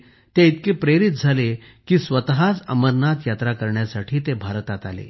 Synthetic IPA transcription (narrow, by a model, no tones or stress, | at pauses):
t̪eit̪kepɾeɾit̪̚d͡zʱale | kiːsʋət̪ɦat͡sə̰məɾnat̪jat̪ɾakəɾɳjasaʈʰiːt̪ebʱaɾt̪at̪alḛ